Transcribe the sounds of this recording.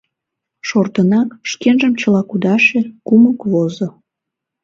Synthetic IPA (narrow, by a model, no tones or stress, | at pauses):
ʃort̪ənɑkʃkenʒəmt͡ɕəlɑkud̪ɑʃekuməkβozo